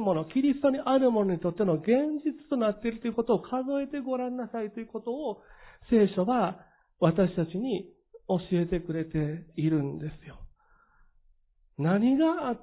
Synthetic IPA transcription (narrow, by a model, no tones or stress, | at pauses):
mo̞no̞kʲiɾʲist̪o̞ɲ̟iʔaɾɯ̟mo̞noɲ̟it̪o̞t̪ːe̞no̞ɡẽ̞ɲd͡ʑit͡sɨ̥t̪o̞nat̪ːe̞ɾɯ̟t̪oiɯ̟ko̞t̪o̞ːkʰazoe̞t̪e̞ɡo̞ɾãnːasait̪o̞jɯ̟ko̞t̪o̞ːse̞ːɕo̞βa | βat̪aɕi̥t̪at͡ɕiɲ̟i | o̞ɕie̞t̪e̞kɯ̟ɾe̞t̪e̞iɾɯ̟̃nd̪e̞sɨ̥jo̞ | naɲ̟iɡaː